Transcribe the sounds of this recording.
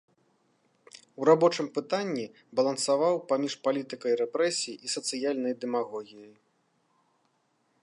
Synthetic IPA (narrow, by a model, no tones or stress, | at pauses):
wɾabɔt͡ʂɨmpɨt̪anʲːi | bɐlˠɐnsavawpamʲiʂpalʲit̪ɨkɐiɾɛpɾɛsʲijiʔisɐt̪sɨjalʲnɐjd̪ɛmaɣɔɣʲijɐj